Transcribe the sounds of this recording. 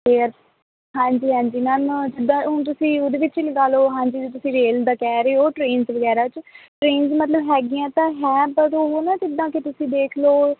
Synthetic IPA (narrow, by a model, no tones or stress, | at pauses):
eːɾ | ɦãːɲd͡ʒiːɦãːɲd͡ʒiːnənd͡ʒɪd̪ãːɦʊnt̪̬ʊsĩːʊd̪eːʋɪːt͡ʃləɡaːloːɦãːɲd͡ʒiːd͡ʒot̪̬ʊsĩːɾeːld̪aːkɛːɾəeɦoːʈɾeːnzʋəɡɛːɾaːt͡ʃʈɾeːnzmət̪ləbɦɛːɡɪjãːt̪ãːɦɛːbəɾoːɦonãːt͡ʃɪd̪ːãːket̪ʊsĩːd̪eːkʰloː